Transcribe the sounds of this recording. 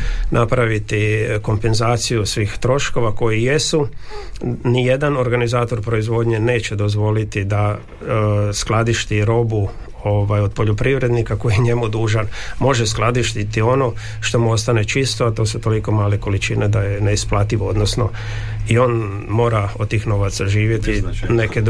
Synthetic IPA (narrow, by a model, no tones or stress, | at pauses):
nʔapɾaʋit̪iko̞mpe̞nzaːt̪sijusʋiːxt̪ɾo̞ʃko̞ʋako̞jijesu | nije̞d̪ano̞ɾɡanizaːt̪o̞ɾpɾo̞izʋo̞d̪ɲe̞ne̞ːt͡ɕe̞d̪o̞zʋo̞lit̪id̪a | sklˠad̪iʃt̪iɾo̞bu | oʋajod̪̚po̞ʎopɾiʋɾe̞d̪nikako̞jeɲe̞mud̪uːʒanmo̞ʒesklˠad̪iʃt̪it̪io̞no̞ | ʃt̪o̞muo̞st̪ane̞t͡ʃist̪oat̪o̞ːsut̪o̞liko̞maːleko̞lit͡ʃined̪ajene̞isplˠat̪iʋood̪nosno̞ | io̞ːn | mo̞ːɾaod̪̚t̪iːxno̞ʋat̪saʒiːʋje̞t̪ine̞ke